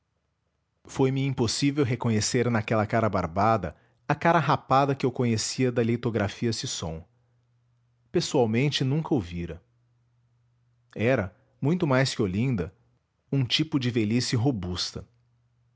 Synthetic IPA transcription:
fojmɪĩposivewɦekõɲeseɾnɐkɛlɐkaɾɐba̰ɾbad̪ɐ̰ | ɐkaɾɐɦapad̪ɐkɪewkõɲesiɐd̪ɐlit̪oɡɾafiɐsɪsõ̰w̃ | pesuawmẽnt͡ʃɪnũkɐoviɾɐ | ɛɾɐ | mũj̃t̪ʊmajskɪolĩnd̪ɐ | ũt͡ʃipʊd͡ʒɪvelisɪɦobust̪ɐ

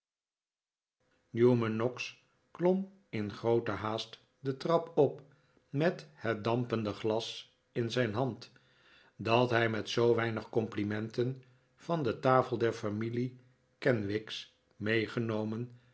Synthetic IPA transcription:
njumənːɔks | klɔm | ɪnχrowtəɦaːst | dətrɑpɔp | mɛthɛt̚dɑmpəndəχlɑs | ɪnzɛjnɦɑnt | dɑtɦɛjmɛtsowʋɛjnəχkɔmplimɛntən | v̥ɑndətaːfəlˠdɛɹfɑmili | kɛnʋɪks | mejχənowmən

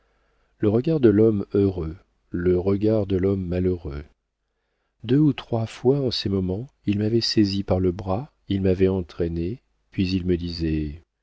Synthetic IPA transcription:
ləʁəɡaʁd̪əlɔmøʁø | ləʁəɡaʁd̪əlɔmːaløʁø | d̪øut̪χwafwaɑ̃sɛmɔmɑ̃ilmavɛsɛzipaʁləbʁa | ilmavɛɑ̃t̪χɛne | pɥizilməd̪izɛ

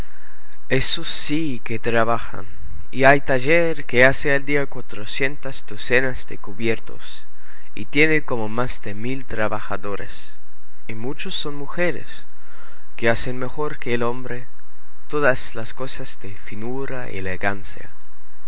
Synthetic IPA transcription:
esos | i | ket̪ɾaβaxa̰n | iajt̪aʝeɾkeaseald̪iakwat̪ɾosje̞nt̪azd̪osenazðḛkuβje̞ɾt̪o̞̰s | ḭt̪jeneko̞momazd̪emilt̪ɾaβaxa̰ðoɾḛs | imut͡ʃosːo̞nmuxeɾḛs | keasenme̞xo̞ɾkeːlo̞mbɾe | t̪oðaslasko̞sazðefinuɾaḭeleɣansja̰

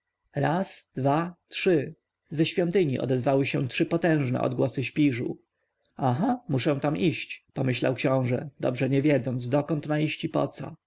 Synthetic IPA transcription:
ɾasd̪vatʂɘ | zɛɕfʲjɔnt̪ɘɲiʔɔ̰d̪ɛzvawɘɕɛtʂɘpɔt̪ɛ̃w̃ʐnɛ̰ʔɔ̰d̪ɡwɔsɘɕpʲiʐṵ | aɦamuʂɛ̃t̪amʔiɕt͡ɕpɔmɘɕla̰wkɕɔ̃w̃ʐɛd̪ɔ̰bʐɛɲɛvʲjɛd̪zɔns̬d̪ɔkɔnt̪maiɕt͡ɕipɔ̰t̪sɔ̰

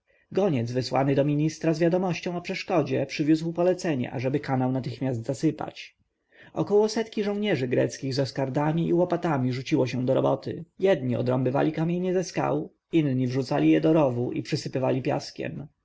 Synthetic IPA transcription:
ɡɔɲɛd̪zvɘswa̰nɘd̪ɔmʲiɲist̪ɾazvʲjad̪ɔmɔɕt͡ɕɔ̃w̃ɔpʂɛʂkɔd͡ʑɛpʂɘvʲjuzwpɔlɛt̪sɛɲɛ̰ʔa̰ʐɛbɘkanawnat̪ɘxmʲasd̪zasɘpa̰t͡ɕ | ɔkɔwɔsɛt̪kʲiʐɔ̃w̃ɲɛʐɘɡɾɛ̰t̪skʲiɣzɔskaɾd̪amʲiʔiwɔpat̪amʲiʐut͡ɕiwɔɕɛ̃d̪ɔɾɔbɔt̪ɘ̰jɛd̪ɲiɔ̰d̪ɾɔ̰mbɘva̰lʲikamʲjeɲɛzɛska̰w | inɲivʐut̪salʲijɛd̪ɔɾɔvuʔipʂɘsɘpɘvalʲipʲja̰skʲɛ̰m

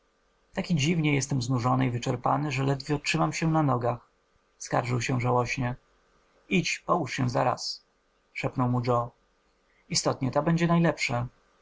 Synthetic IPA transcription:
t̪akʲid͡ʑivɲɛjɛst̪ɛmznuʐɔnɘivɘt͡ʂɛɾpanɘʐɛlɛd̪vʲiɔtʂɘmamɕɛnanɔɡax | ska̰ɾʐɘwɕɛʐawɔɕɲɛ | it͡ɕpɔwuʂɕɛza̰ɾa̰s | ʂɛpnɔwmud͡ʐɔ | ist̪ɔt̪ɲɛt̪abɛɲd͡ʑɛnajlɛpʂa

